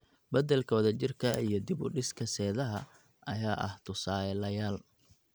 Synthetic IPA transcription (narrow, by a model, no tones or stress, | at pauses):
bɐðɛlkʰɔːðɐt͡ʃɪrkʰɐḭjɞd̪ɪβʊ̰ɖɪskʰɐsɛːðɐɦɐ | ʔɐjaːʔɐ̰ht̪ʰʊsaːɛlɐjaːl